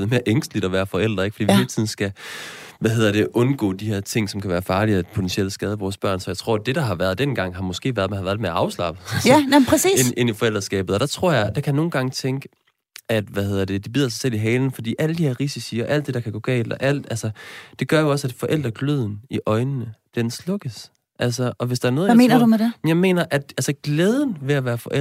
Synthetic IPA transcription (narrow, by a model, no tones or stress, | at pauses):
ðˠme̝ːɐʔeŋsd̥lid̥ɒ̽ʋæːɐfɒ̽el̰d̥ʁɐeɡ̥fd̥ḭːihe̝ːlət͡sʰiðˠn̩sɡ̥æʋæɦe̝ð̰ˠɐd̥e̝ʔɔ̽nɡ̥ɔ̰ːd̥ihæɐt͡sʰe̝ŋ̰sɒ̽mkʰæʋæːɐfɑ̈ːliæ̥pʰot͡sʰenɕieləsɡ̥ɛð̞ˠəʋɒːsb̥ɶɐ̰nsɒ̽jɪt͡sʰʁo̝ɐ̰d̥e̝ɾ̥ɑ̈ɦɑ̈ʋæːɐð̞ˠd̥enɡ̥ɑ̈ŋ̰ɦɑ̈mɒ̽sɡ̥e̝̰ːʋæːɐðˠmenhɑʋæːɐðd̥emeɐɑ̈ʊslɑ̈b̥əænʰʁɛsḭːne̝nifɒ̽el̰d̥ʁɐsɡ̥ɛ̰ːb̥ð̩ˠɒɾ̥æt͡sʰʁɔ̝ɐ̰jɑ̈ɪd̥ɑ̈kʰæjano̝ːn̩ɡ̥ɑ̈ŋt͡sʰeŋɡ̥ə | æd̥ʋæhe̝ð̰ˠɐd̥ed̥ibið̰ˠɐs̬ɑsel̰iɦɛːln̩fɒ̽d̥ḭːʔæləd̥ihæɐʁisisiːɒ̽ʔæl̰d̥e̝ɾɑ̈kʰæɡ̥ɔ̰̽ːɡ̥ɛ̰ːld̥ɒʔæl̰d̥ælsɐd̥e̝ɡ̥ɶɐjoɒ̽sæd̥fɒ̽ʔel̰d̥ʁɐɡ̥løð̰ˠn̩iʔɒ̽ɪnənəd̥enslɔ̽ɡ̥əs | ʔæls̬ɐʔɒ̽ʋe̝sd̥ɑ̈æɐnɔːðˠmeːnɐdumedejɑ̈ɪme̝̰ːnɐʔæd̥ælsəɡ̥leːðˠən̩ʋe̝æʋæːɐfɒ̽ʔe